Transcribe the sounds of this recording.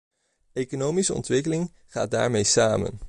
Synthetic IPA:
ejkonowmisəɔ̰ntʋɪkəlɪŋ | χa̰ːt̚da̰ːɹmejsaːmə̰n

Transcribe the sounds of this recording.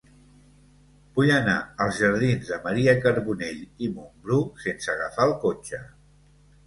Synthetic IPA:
b̥ujəna̰əlˠzʒəɾð̞inzðəməɾiəkəɾβuneʎimumbɾuksensəɣ̞əfalˠkot͡ʃə

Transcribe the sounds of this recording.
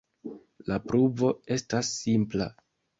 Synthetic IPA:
lapɾuvo̞e̞stasːimpla̰

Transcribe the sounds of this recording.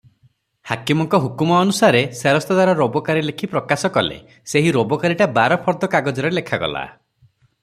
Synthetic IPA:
hakimɔŋkɔɦukumɔːnusaɾeseɾɔst̪ɔd̪aɾɔɾobɔkaɾilekʰipɾɔkasɔkɔlḛ | seɦiɾobɔkaɾiʈabaɾɔpʰɔɾd̪ɔkaɡɔd͡ʒɔɾelekʰaɡɔ̰la̰

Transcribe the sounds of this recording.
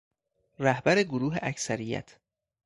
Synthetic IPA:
ræhbæɾeɡoɾuːɦḛʔæcʰsæɾijæ̰t̪ʰ

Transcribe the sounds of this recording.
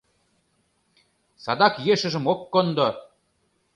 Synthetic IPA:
sɑd̪ɑkjeʃə̆ʒə̆mokːond̪o

